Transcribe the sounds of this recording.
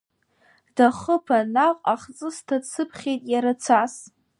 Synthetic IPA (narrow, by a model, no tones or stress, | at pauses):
d̥aχəpʰanaqʼaχt͡sʼɨstʰat͡sɨpʰχʲejtʼjaɾat͡sʷʰas